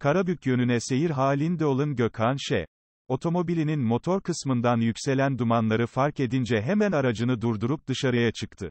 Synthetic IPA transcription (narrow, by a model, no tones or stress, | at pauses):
kʰaɾabycjø̞nynɛse̞jiɾɦaːlʲind̪ɛo̞lˠɯnɟø̞kʰanʃɛ̰ | o̞t̪ʰo̞mo̞bilʲininmo̞t̪ʰo̞ɾkʰɯsmɯnd̪anjycʲse̞lʲænd̪umanlˠaɾɯfaɾke̞d̪ind͡ʒɛɦemænaɾad͡ʒɯnɯd̪uɾd̪uɾup̚d̪ɯʃaɾɯjat͡ʃʰɯkt̪ʰɯ